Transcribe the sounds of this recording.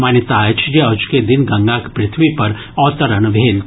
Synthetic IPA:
maːnet̪aːjt͡ʃʰjeɐd͡ʒuked̪ɪnɡɐ̃ŋɡakpɾɪt̪ʰʋipɐɾ | ɔːt̪əɾənʋʱeːl

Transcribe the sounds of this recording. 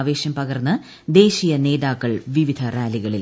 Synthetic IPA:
ʋe̞ːɕjɐmpɐɣɐrnːɐ | d̪e̞ːɕijɐne̞ːðaːkːɐɭʋiʋid̪ʱɐraːliɣɐɭil

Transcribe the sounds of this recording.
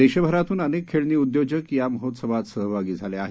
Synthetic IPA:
eɕəbʱəɾat̪uːnənekkʰːeɭniːud̪jod͡ʑəkkjaməɦot̪səʋat̪səɦʋʱaɡiːd͡zʱaleaɦe

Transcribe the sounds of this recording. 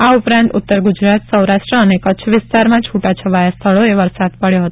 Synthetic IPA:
aupɾãnt̪ʊt̪ːəɾɡud͡ʒɾat̪səwɾaʃʈɾəənekətt͡ʃʰʋɪst̪aɾmãt͡ʃʰuʈat͡ʃʰəʋajast̪ʰəɭoeʋəɾsad̪pəɭjoɦət̪o̥

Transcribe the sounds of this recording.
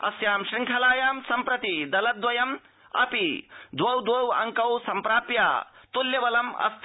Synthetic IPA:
ɐ̰sjaːmʃɾiŋkʰɐlaːjaːmsɐmpɾɐt̪id̪ɐlɐd̪ʋɐjɐm | ɐ̰pid̪wɐwd̪wɐːwɐ̰ŋkɐwsɐmpɾaːpja̰ːt̪uljɐʋɐlɐmɐ̰st̪ʰ

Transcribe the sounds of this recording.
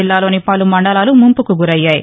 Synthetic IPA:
ilːaːlo̞ːnipɐlumɐɳɖɐlaːlumumpukuɡuɾɐjːaːji

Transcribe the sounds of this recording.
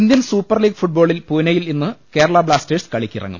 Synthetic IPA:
ind̪jɐnsuːpːɐrliːɡfuʈ̚boːɭilpunɐjilinːɨke̞ːɾɐɭɐbɭaːsteɖskɐɭikʲːirɐ̰ŋːṵm

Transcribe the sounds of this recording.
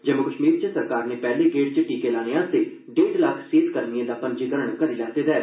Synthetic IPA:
d͡ʒəmʊkəʃmiːɾt͡ʃəsəɾkaːɾneːpɛːleːɡeːʈ̚t͡ʃəʈiːkeːlaːneːaːt̪eː | ɖeːɖlaːkʰseːt̪kəɾniẽːd̪aːpənd͡ʒiɡəɾəɳkəɾiːlɛːt̪eːd̪ɛː

